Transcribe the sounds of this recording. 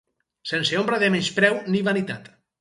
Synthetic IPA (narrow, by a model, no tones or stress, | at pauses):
senseombɾaðemenspɾɛwniβanit̪at̪